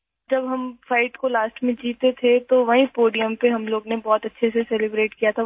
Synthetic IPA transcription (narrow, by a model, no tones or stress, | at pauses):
d͡ʒɐbɦɐmfaːɪʈkolaːsʈmẽd͡ʒiːt̪et̪ʰet̪oʋɐɦĩpoːɖijəmpeɦɐmloːɡnebɔːt̪ɐtːʃʰesesɛlɪbɾeːʈkijat̪ʰa